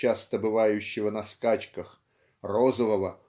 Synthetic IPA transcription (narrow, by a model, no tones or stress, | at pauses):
ast̪ɐbɪʋajʊɕːɪʋɐnɐskat͡ʃkɐx | rɔzɔʋɐʋɐ